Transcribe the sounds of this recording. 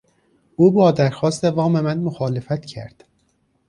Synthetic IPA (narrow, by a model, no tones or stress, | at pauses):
ʔuːbɒːd̪æɾxɒːst̪evɒːme̞mænmoxɒːle̞fæt̪cʰæ̰ɾd̪̥